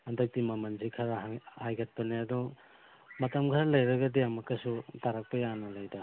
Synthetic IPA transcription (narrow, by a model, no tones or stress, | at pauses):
ɐndɐk̚timɐmɐnzikʰaɾahajɡɐt̚pɐniɐdu | mɐtɐmkʰaɾɐlɐjɾɐɡɐdiɐmɐkɐsutaɾɐk̚pɐjanɐlajda